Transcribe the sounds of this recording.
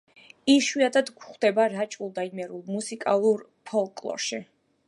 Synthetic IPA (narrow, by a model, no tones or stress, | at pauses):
iʃwiad̪ad̪ɡχd̪ɛbaɾat͡ʃʼulˠd̪aimɛɾulˠmusikʼalˠuɾ | pʰɔlˠkʼlˠɔ̰ɾʃi